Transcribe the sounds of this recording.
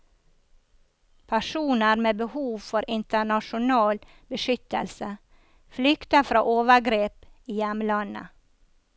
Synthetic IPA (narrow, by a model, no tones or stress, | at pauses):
pʰæʃuːnəɾmeːbəhuːʋfɔɾʔɪnt̪əɳɑʃʊnɑːl | bəʃʏt̪ə̰lsə | flʏkt̪əfɾɑːʔoːʋəɡɾeːpiːjɛmlɑnə̰